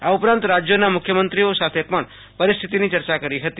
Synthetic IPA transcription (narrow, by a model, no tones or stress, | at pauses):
aupɾãnt̪ɾad͡ʒjonamʊkʰjəmənt̪ɾiosat̪ʰepəɳ | pəɾist̪ʰit̪init͡ʃəɾt͡ʃakəɾiɦət̪i